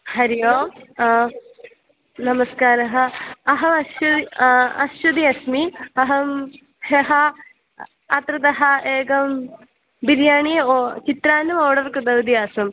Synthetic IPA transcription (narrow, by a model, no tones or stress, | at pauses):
hɐɾijoː | nɐmɐskaːɾɐɦɐɐɦɐmɐuiɐ̰sud̪iɐsmiɐɦɐm | heɦɐ | ɐt̪ɾɐd̪ɐɦɐeːɡɐm | biɾjaːɳijeot͡ɕit̪ɾaːnɐmoːɽɐrkɨd̪ɐwd̪ijaːsɐm